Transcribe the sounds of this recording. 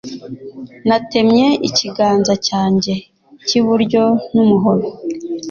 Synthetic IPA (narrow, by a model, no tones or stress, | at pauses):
nate̞mɲe̞iciɡaːnzacaːɲɟe̞ | ciβuɾɟo̞numuɦo̞ɾo